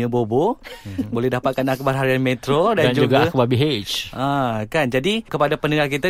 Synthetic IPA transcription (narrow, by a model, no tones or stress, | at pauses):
ə̃bobobolɛhdapat̪̚kanakubarɦaɾianmẽt̪ɾodand͡ʒud͡ʒuɡaakubabiɦet͡ʃʔakand͡ʒadikəpadapənəŋakit̪a